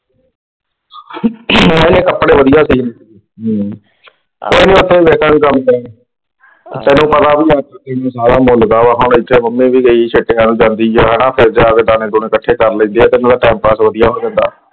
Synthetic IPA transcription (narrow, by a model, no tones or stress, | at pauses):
aĩnẽːkəpːɽeːʋəd̪ɪjaːsiːnː | oːiːnẽːʊt̪ʰːeːʋeːkənkəmː | t̪ɛːnũːpət̪aːbiːaːk̪aːk̪ənãːsaːɽaːmoːlɡ̪aːʋaɦʊnɪt͡ʃʰːeːməmːẽːʋiːɡəit͡ʃʰeʈːejãːnũːd͡ʒãːnd̪iːoɦɛːɽãːpʰɪɾd͡ʒaːkəd̪aːnẽːd̪ʊːnẽːkəʈʰeːkəɾlə̃ːnd̪eːɛːt̪eːnãːd̪aːʈaːmpaːsʋəd̪ijaːɦoːd͡ʒãːnd̪a̰ː